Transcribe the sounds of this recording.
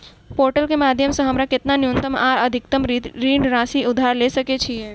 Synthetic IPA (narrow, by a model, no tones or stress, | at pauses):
poɾʈəlkemad̪ʱjəmsə̃ɦəmɾaket̪nanjunt̪əmaɾəd̪ʱik̚t̪əmɾt̪ɾiɳɖɾãsiʊd̪ʱaɾleʃəket͡ʃʰie